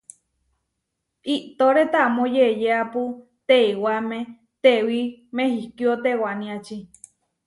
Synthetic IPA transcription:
iʔt̪oɾet̪amõjejeapu | t̪eiwamẽ | t̪ewimẽhikiot̪ewanĩat͡ʃi

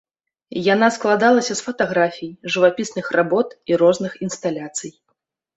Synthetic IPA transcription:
jan̪asklˠad̪alˠɐsʲɐsfɐt̪aɣɾafʲijʐɨvapʲisnɨxrabɔt̪iɾɔznɨxinst̪alʲat̪sɨj

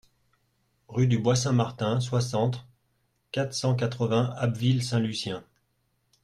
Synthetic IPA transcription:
ʁyd̪ybwasɛ̃maʁt̪ɛ̃s̬wasɑ̃t̪ | kat̪χsɑ̃k̬at̪χəvɛ̃abvilsɛ̃lysjɛ̃

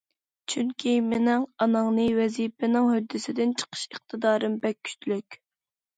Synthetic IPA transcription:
t͡ʃʰyŋkʲʰimɪnɪŋɑnɑŋnɨwɛzipɪnɪŋhød̪ːɪsɪd̪ɪnt͡ʃʰə̥qʰə̥ʃəχt̪ʰɨd̪ɑːɾɨmbɛkʲʰːy̥t͡ʃ̪ʰlykʲ

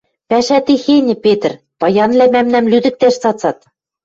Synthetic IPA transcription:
pæʃæt̪ixenʲɘ̆pʲet̪̆rʲ | p̪ɑjɑnlʲæmæmnæmlʲyd̪ɘ̆k̚t̪æʃsɑt̪t͡sɑt̪

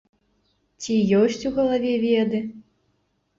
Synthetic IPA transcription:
t͡sʲijɔsʲt͡sʲuɣɐlˠavʲɛvʲɛd̪ɨ

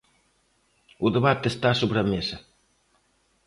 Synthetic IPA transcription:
uðeβat̪ːest̪asoβɾɐmesɐ

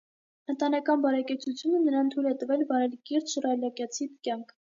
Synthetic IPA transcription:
ənt̪ɑnɑkɑnbɑɾɛkɛt͡sʰut͡sʰjunənəɾɑnt̪ʰujlɛt̪əvɛlvɑɾɛlkiɾt̪ʃərɑlɑkjɑt͡sʰit̪kʲjɑŋkʰ

